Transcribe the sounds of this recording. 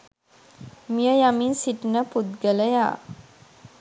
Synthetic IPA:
mijəjaminsiʈinəpud̪ɡələja̰ː

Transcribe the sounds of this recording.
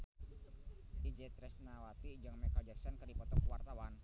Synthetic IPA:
id͡ʒɛt̪ɾɛsnawat̪id͡ʒaŋmɛkad͡ʒɛksɛnkɨrdipɔt̪ɔkwart̪awan

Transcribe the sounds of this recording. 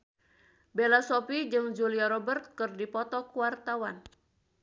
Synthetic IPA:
belasɔpid͡ʒɨŋd͡ʒuliaɾɔbərt̪̚kɨrdipɔt̪ɔkuwart̪awan

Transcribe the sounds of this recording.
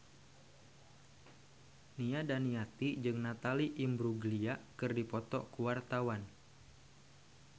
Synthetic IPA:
niadaniat̪id͡ʒɨŋnat̪aliʔimbɾuɡliakɨrdipɔt̪ɔkuwart̪awan

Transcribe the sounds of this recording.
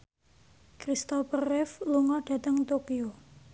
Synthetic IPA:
kɾist̪ɔpərɛfluŋɔɖ̥a̤t̪əŋt̪okio

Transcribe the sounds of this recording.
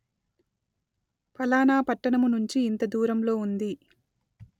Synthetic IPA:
pɐlaːnaːpɐʈːɐɳɐmunuɲt͡ʃiːnt̪ɐd̪uːɾɐmlo̞ːund̪i

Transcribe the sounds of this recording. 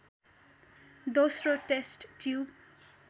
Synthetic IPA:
d̪osroʈesʈːjub

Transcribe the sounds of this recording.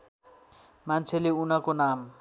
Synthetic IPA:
mant͡sʰeleunakonam

